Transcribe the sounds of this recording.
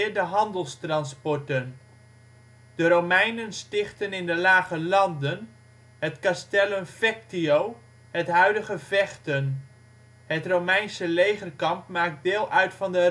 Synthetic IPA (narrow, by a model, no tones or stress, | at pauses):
ɹdəɦɑndəlˠstrɑnspɔɹtən | d̥əɾowmɛjnənstɪχtənɪndəlaːχəlɑndən | ɦətkastɛlənfɛk̚tiow | ɦətɦœɥdəχəvɛχtən | ɦətrowmɛjnsəlejχərkɑmpmaːk̚dɪːlˠʔœɥtfɑndə